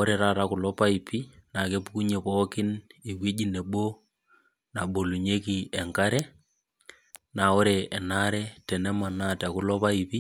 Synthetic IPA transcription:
ɔ˦ɾɛ˨ɾa˦ta˨kʊ˨lɔ˦pa˦i˨pi˦na˨ke˦pku˦ɲe˨pɔ˦kɪ˦ni˨wwe˦d͡ʒi˦ne˨ɓo˦ | na˨ɓo˨lu˨ɲe˦ki˨ɛ˨ŋka˦ɾɛ˦ | na˨ɔ˦ɾɛ˨ɛ˨na˦ɾɛ˦tɛ˨nɛ˦ma˨na˦ta˨kʊ˨˦lɔ˦pa˦i˨pi˦

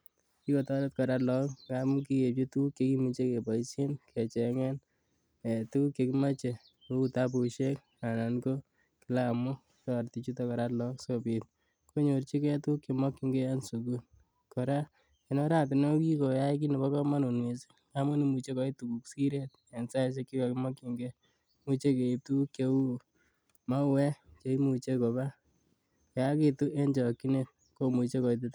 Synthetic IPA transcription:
ki˦kɔ˨tɔ˦lɛ˦t̚kɔ˨ɾa˦tlɔ˦kkamu˦ki˦je˨p̚t͡ʃi˦tu˦kːe˨ki˦mut͡ʃe˦ke˨pa˨isi˦nkɛ˨t͡ʃɛ˨ŋɛ˦n | e˨tu˦kːe˧kima˦t͡ʃe˨ | ko˦u˦tap̬u˨ʃe˦k | a˨na˨nko˦ | kɪlaːmʊ˦ | kɔ˦˨ɾti˨t͡ʃu˦tɔ˦kɔ˨ɾa˦tlɔ˦ksopit̚ | kʰo˦ɲo˨rt͡ʃi˦kɛ˦tukːi˨mɔ˦kːɪ˦ŋɡe˦jansu˨ku˦ | kɔ˨ɾa˦ | e˨no˦ɾa˦˨t̬i˨no˦ki˦ko˨ja˦ik̬i˦ne˨bɔ˦kɔ˦ma˦no˨nwe˨si̥˦ | a˦mu˦ni˨mu˨t͡ʃe˦kɔ˨˦i˦tu˨ku˨ksi˦ɾe˦t̚e˨nsa˦s̬e˦kːi˦kɔ˨kɪ˦mɔ˦ki˨ŋɡe˦ | mu˧t͡ʃe˦ke˨i˨p̚tu˦kje˦u˦ | ma˦wɛ˦t͡ʃe˦i˦mu˨t͡ʃe˦ko˨ba˦ | ja˦ki˦tu˦ʔe˦nd͡ʒɔ˨kːi˦ne˨ | ko˦mu˨˧t͡ʃe˦kɔ˨it̬it

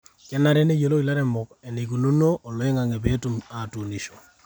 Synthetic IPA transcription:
kɛ˦na˦ɾɛ˦ne˦jo˨lo˦i˨la˦ɾɛ˨mʊ˨kɛ˨ne˨k̬u˨nu˦no˦ʔːlɔ˨e˦ŋa˨ŋe˨be˦tuma˨tu˨ni˨ʃo˨

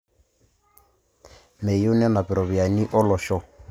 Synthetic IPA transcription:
me˨ju˦nɛ˦na˨pɪ˨ɾɔ˨βi˨a˨ni˦ʔɔ˦lɔ˨ʃɔ˨

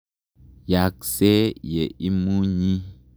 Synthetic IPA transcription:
ja˨kse˦jɛ˨i˦mu˦ɲĩ˦

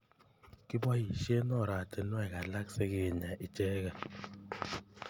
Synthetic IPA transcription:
ki˦bɔ˦hi˨ʃe˦nɔ˦˨ɾa˨te˨˦nɔ˦ɛ˨ɣa˨la˦kse˦ɣe˨ɲa˨ʔi˨t͡ʃe˦ɣa˨

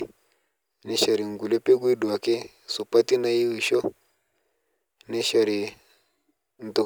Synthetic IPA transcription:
nɛ˨ʃa˨ɾi˨ŋ˨ɡu˨lɛ˦pe˦ɡwi˦ɗu˨a˨ke˦ | so˨pa˦ti˦na˦i˦wi˨ʃɔ˦ | nɛ˦ʃa˨ɾi˨ | n̩˨to˨

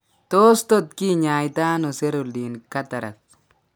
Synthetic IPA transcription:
to˦sto˦t̪̚ki˦ɲa˨jta˦nɔ˨se˦ɾu˨ldi˨nka˦ta˨ɾa̰˨k̚

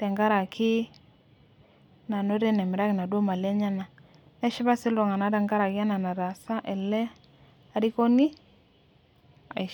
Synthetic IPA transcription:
tɛ˨ŋɡa˦ɾa˨kɪ˦ | na˨no˦ɾɛ˦nɛ˨mɪ˨ɾa˦kɪ˨na˨do˦ma˨le˦ɲa˦na˨ | nɛ˦ʃɪ˦ba˦sɪ˦lɔ˨ŋa˨na˨˦ɾa˨ŋɡa˦ɾa˨kɪ˦a˦na˨na˨ɾa˨sa˦ʔɛ˨lɛ˦ | a˦ɾi˦ko˦ni˦ | a̰˨

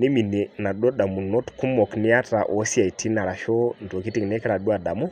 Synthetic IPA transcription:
ni˦mi˨nɛ˨na˨ɗɔ˦ɗa˨mu˨nɔ˦tku˦mɔ˨knɛ˦a˦ta̰˨ʔɔ˨si˦a˨i˨tʰi˦na˨ɾa˨ʃɔ˦ndɔ˨ki˦ti˦ŋ˨nɛ˦kɛ˦ɾa˨ɗu˦a˨ɗa˨mɔ˦

